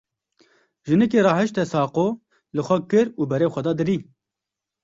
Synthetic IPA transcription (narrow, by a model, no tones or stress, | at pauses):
ʒɨnɛk̬eːɾɑːhɨʃt̪ɛsɑːqoː | lɨxʷɛkɨɾuːbɛɾeːxʷɛd̪ɑːd̪ɨɾiː